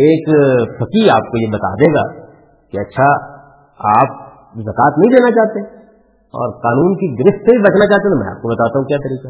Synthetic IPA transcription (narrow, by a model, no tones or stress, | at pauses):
eːksɐkiaːp̚kojebɐt̪a̰ːd̪eːɡa̰ː | kiɐtːʃʰa | aːp̚ | zɐkaːt̪nɐɦĩd̪eːnat͡ʃaːt̪e | ɔ̰ːɾqaːnuːnkiɡɪɾɪʃt̪sebʱibɐt͡ʃnat͡ʃaːɦt̪et̪mɛ̰̃a̰ːp̚kobɐt̪aːt̪aːɦũkjaːt̪ɐɾiːqa